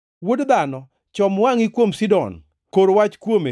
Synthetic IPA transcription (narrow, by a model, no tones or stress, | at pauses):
wodd̪anɔ | t͡ʃɔmwaŋikwomsidɔ̰n | koɾwat͡ʃkwome